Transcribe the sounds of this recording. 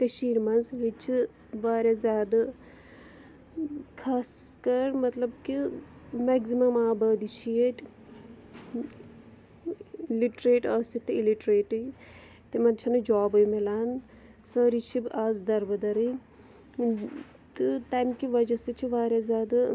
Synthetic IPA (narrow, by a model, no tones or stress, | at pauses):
t̪eʃiːɾmɐnzɾit͡ʃʰi | ʋaːɾʲjazʲjaːd̪a | kʰaːs | kɐɾmɐt̪lɐb̚kimɛɡzimɐmaːbɐːd̪it͡ʃʰieʈ | liʈɾeːʈɐst̪it̪ːɨiliʈɾeːʈɨ | t̪emɐnt͡ʃʰɐnɨd͡ʒoːbɐjmelaːn | sɐːɾit͡ʃʰibʔaːzd̪ɐɾbɐd̪ɐɾi | t̪ɨt̪aːmkiʋɐd͡ʒɐsɨt͡ʃʰiʋaːɾʲjazʲjaːd̪a